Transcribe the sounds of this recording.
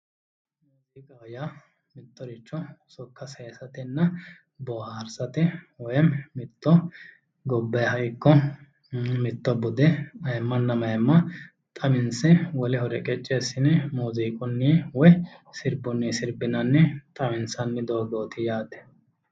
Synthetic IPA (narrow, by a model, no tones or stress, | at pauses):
muːziːkʼɐja | mɪt̪ːɔɾɪt͡ʃːɔsɔkːɐseːsɐt̪ɪnːɐ | bɔaːɾsɐt̪ɛwɔjɛmmɪt̪ːɔ | ɡɔbːɐjhɐʔɪkːɔ | mɪt̪ːɔbʊd̪ɛmɐjɛmːɐnːɐmɐjmːɐ | t̪ʼɐmɪnsɛwɔlɪɦɔɾɛkʼɛt͡ʃʼːesːɪnɛmuːziːkʼɔnːɛwɔjsɪɾbʊnːɛsɪɾbɪnɐnːɛt̪ʼɐmɪnsɐnːɛd̪oːɡoːt̪ɪjaːt̪ɛ̥